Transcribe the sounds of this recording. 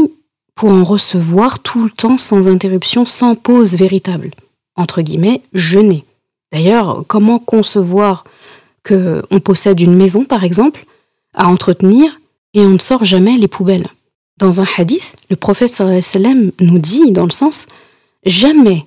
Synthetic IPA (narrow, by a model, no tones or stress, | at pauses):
pʰuʁɑ̃ʁəsəvwaʁt̪ʰulət̪ɑ̃sɑ̃zɛ̃t̪eʁypsjɔ̃sɑ̃pozveʁit̪abl | ɑ̃t̪χəɡʲḭmɛʒəne | d̪̥ajœʁkɔmɑ̃kɔ̃səvwaʁ | kʰəɔ̃pɔsɛd̪ynmɛzɔ̃paʁɛɡzɑ̃pl | a̰ɑ̃t̪χət̪niːʁ | eɔ̃nəsɔʁʒamɛlepʰubɛl | d̪ɑ̃zɛ̃ħad̪iθləpχɔfɛt̪salsalamnud̪id̪ɑ̃ləsɑ̃s | ʒamɛ